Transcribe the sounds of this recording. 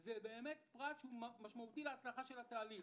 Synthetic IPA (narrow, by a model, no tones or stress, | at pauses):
zebe̞ːme̞t̪pʁat̪ʃeumaʃmaut̪ileat͡slaχaʃelat̪aːliχ